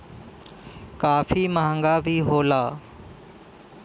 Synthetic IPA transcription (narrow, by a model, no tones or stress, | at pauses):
kaːfiməɦə̃ŋɡaːbʱiɦoːlaː